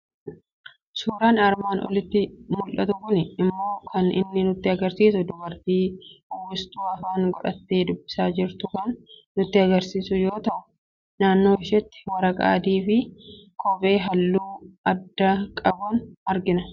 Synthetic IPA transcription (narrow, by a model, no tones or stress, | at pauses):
suːɾaːnɐɾmaːnʔɔ̰lɪt̪ːɪmʊlʔɐt̪ʊkʊnɪɪmːo̞ːkʰɐnɪ̰nːɪnʊt̪ːɪɐɡɐɾsiːsʊd̪ʊbɐɾt̪iːʊwʊst̪uːɐfaːŋɡɔᶑɐ̰t̪ːe̞ːd̪ʊbːɪ̥saːd͡ʒɪɾt̪ʊkɐnː | ʊt̪ːɪɐɡɐɾsiːsʊjo̞ːt̪ɐʔʊ̥ | naːnːo̞ːɪʃɛt̪ːɪ̥wɐɾɐkʼa̰ːd̪iːfɪkʰɔfe̞ːɦɐlːuːɐd̪ːɐkʼɐbʊnɐɾɡɪnɐ